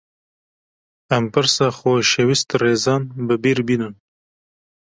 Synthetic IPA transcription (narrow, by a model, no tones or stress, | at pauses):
ampaɾsaxoʃewist̪ɾezɑːnbəbiɾbinən